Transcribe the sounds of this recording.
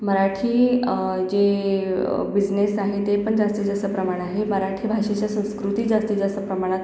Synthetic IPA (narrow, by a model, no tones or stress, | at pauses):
məɾaʈʰiːd͡ʑe | bid͡ʑnesaɦet̪epəɳd͡zast̪id͡zasəpɾəmaɽ̃aɦeməɾaʈʰiːbʱaʂet͡ɕjasə̃w̃skɾut̪iːd͡zast̪id͡zast̪əpɾəmaɽ̃at̪